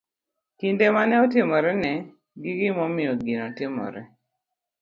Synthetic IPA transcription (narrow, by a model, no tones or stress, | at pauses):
kindemanɛɔtɪmɔɾɛnɛ | ɡiɡɪmɔmɪjɔɡinɔtɪmɔ̰ɾɛ